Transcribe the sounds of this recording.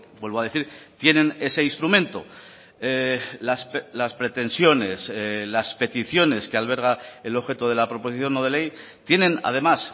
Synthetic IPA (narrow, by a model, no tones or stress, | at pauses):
bwelβo̞aðeθiɾt̪je̞nẽ̞ne̞se̞inst̪ɾumẽ̞nt̪o̰ | elasplaspɾe̞t̪e̞nsjo̞ne̞slaspe̞t̪iθjo̞ne̞skealβ̞e̞ɾɣ̞ae̞lo̞βxe̞t̪oð̞e̞lapɾo̞po̞siθjo̞no̞ð̞e̞le̞j | t̪je̞nẽ̞na̰ðe̞mas